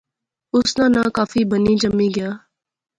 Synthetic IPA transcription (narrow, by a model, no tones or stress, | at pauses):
ʊsnãːnãːkaːfiːbəniːd͡ʒəmːiːɡɪjaː